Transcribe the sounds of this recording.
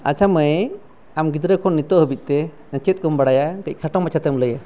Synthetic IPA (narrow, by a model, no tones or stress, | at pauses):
a̰t͡ʃʰamə | amɡid̪ɾəkʰɔnːit̪ɔʔhəbit̪̚ˀt̪ɛ | nə̃t͡ʃit̪̚ˀkɔmbaɽajaɾəc̚ˀkʰaʈɔŋmat͡ʃʰat̪ɛmləja